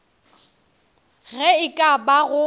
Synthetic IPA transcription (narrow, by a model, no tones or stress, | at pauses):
ɣɛɪkʼabaɣʊ